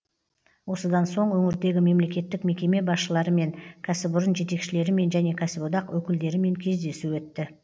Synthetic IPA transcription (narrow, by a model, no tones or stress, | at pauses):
wo̞səd̪ɑnso̞ɴwɵŋɪɾd̪e̞ɡʲɪme̞mle̞kʲe̞t̪ːɪkme̞kʲe̞me̞bɑsʃəlˠɑɾəme̞ŋkʲʰæsɪbʊɾənʒe̞t̪e̞kʃɪle̞ɾɪme̞nʒæne̞kʲʰæsɪbod̪ɑqwɵkʲɪld̪e̞ɾɪme̞ŋkʲʰe̞zd̪e̞suwɵt̪ːɪ